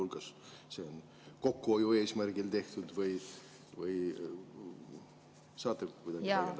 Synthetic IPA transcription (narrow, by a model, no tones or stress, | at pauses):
ulɡ̥ɑs | seon | ko̞kːuojue̞ːsmærɡ̥ilt̪e̞ht̪ud̪vɯj | vɯj | sɑːt̪ːɑkːujd̪ɑɡi